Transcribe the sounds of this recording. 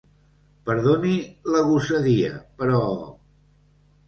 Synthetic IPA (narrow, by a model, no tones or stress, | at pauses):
pəɾðoniləɣusəðiə̰pəɾɔ